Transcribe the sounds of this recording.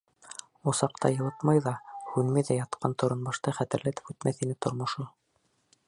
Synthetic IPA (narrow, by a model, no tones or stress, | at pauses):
osɑqt̪ɑ̰jɤ̆lˠɤt̪mɑjðɑhʉnmæðæjɑt̪qɑnt̪ŏɾonbɑʃt̪ɑχæt̪ɘ̆ɾlæt̪ɘ̥pʉt̪mæθinɘt̪ŏɾmŏʃo